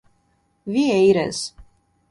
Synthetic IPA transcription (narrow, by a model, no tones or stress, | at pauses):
vʲiɛiɾɛ̰z